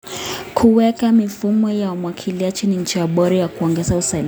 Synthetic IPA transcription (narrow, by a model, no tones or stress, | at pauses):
kʰuwɛkamifumɔjaumwakʰiliat͡ʃiniɲ̩t͡ʃiaɓɔɾijakuɔŋɡɛzausal